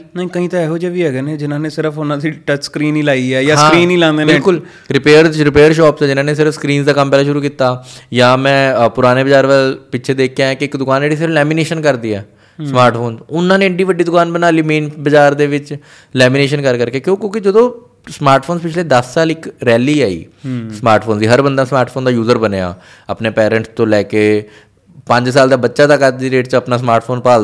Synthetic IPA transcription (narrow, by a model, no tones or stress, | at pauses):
nəĩːkəɦĩːt̪aɛːɦoːd͡ʒɛʋiːɛːɡɛːnẽːd͡ʒɪnãːnesɪɾəfʰʊnãːsiʈəskɾiːnĩːlaːiɛːjaːɦãːkɾiːnĩːlãːnd̪eːbɪlːkʊl | ɾɪpeːəɾɾɪpeːəɾʃɔːpsɛːd͡ʒɪnãːneːsɪɾəfskɾiːnsd̪aːkəmpɛːlaːʃʊɾuːkiːt̪aːjaːmɛ̃ːpʊɾaːneːbəd͡ʒaːɾʋəlpɪʃʰed̪eːkʰjãɛ̃ːkɪɪkd̪ʊkaːneːɖiːs̬ɪɾəflɛːmineːʃənkəɾd̪iːɛ̰ː | smaːɾʈfʰoːnsʊnːãːneːɖiːʋəɖːiːd̪ʊkaːnbənaːliːmĩːnbəd͡ʒaːɾd̪eːʋɪt͡ʃ | lɛːmineːʃənkəɾkəɾkeːkjõːkjõːkɪd͡ʒəd̪õː | smaːɾʈpʰoːnspɪt͡ʃʰleːd̪əsːaːlɪkɾɛːliːaːḭːsmaːɾʈpʰoːnd̪iːɦəɾbənd̪aːsmaːɾʈpʰoːnd̪aːjuːzəɾbəneːa̰ː | əpneːpɛːɾə̃ɳʈst̪õːlɛːkeː | pə̃ɲd͡ʒsaːld̪aːbətːʃaːt̪akːəɾd̪iːɾeːʈt͡ʃəpnaːsmaːɾʈpʰoːnpaː